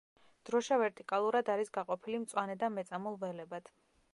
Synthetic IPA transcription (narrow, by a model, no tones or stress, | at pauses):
d̪̥ɾɔʃavɛɾt̪ʼikʼalˠuɾad̪aɾisɡaqʼɔpʰilimt̪sʼwanɛd̪amɛt̪sʼamɔlˠvɛlɛbad̪̥ʰ